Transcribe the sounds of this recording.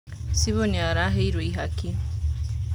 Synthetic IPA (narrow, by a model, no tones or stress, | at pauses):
siβoniaɾaɦeiɾweiɦaki